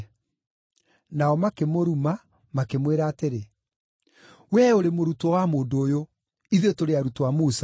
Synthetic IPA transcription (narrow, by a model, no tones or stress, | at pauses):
naɔmakemoɾuma | makemweɾaːteɾe | wɛoɾemoɾutwɔwamoːndoːjo | iðetoɾeaɾutowamusa